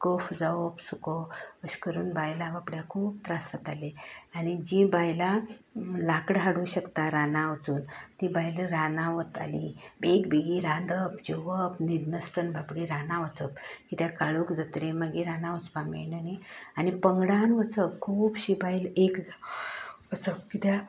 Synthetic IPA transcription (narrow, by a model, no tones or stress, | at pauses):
kəfd͡zaʋəpsukəəɕkəɾuːnbajlaʋapɽjakʰuːp̚t̪ɾasət̪aleanid͡ʑibajla | lakɽɦaɽuɕəkt̪aɾanãʋt͡suːnt̪ibajləɾanaʋət̪a̰libekbiɡiɾand̪əp̚d͡ʑeʋəpnid̪nəst̪ənbapɽeɾanãʋət͡səp̚kit̪jakaɭuːkd͡zət̪ɾemaɡiɾanãʋət͡spamḛnənianipəŋɡɽanʋət͡səpkʰuːbɕibajlekd͡zaʋət͡səp̚kit̪ja